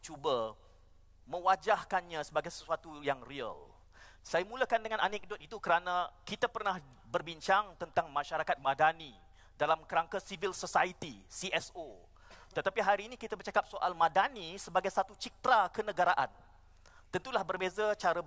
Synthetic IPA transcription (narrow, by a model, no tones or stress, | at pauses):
t͡ʃuba | mə̃wad͡ʒahkanɲãsəbaɡajsə̥suat̪ujaŋriə̰l | sajamũləkandəŋãnanɛk̚dɔt̪̚it̪ukəɾanãkit̪apərnah | bərbiɲt͡ʃaŋt̪ənt̪aŋmãʃaɾakat̪̚mãdani | dalamkəɾaŋkasivilsosait̪isiʔɛso | t̪ət̪apiɦaɾiːnikit̪abərt͡ʃakap̚soʔa̰lmãdanisəbaɡajsat̪ut͡ʃik̚t̪ɾakənə̃ɡaɾaʔan | t̪ənt̪ulahbərbezat͡ʃaɾə